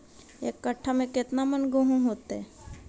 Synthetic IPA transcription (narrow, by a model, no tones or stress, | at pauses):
ḛːkːəʈʰːamẽkɪt̪namənɡoɦõɦoːt̪ɛ